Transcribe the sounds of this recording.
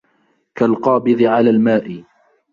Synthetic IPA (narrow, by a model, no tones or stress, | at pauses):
kalqɑːbɨðˤɪʕalaːlmaːʔɪ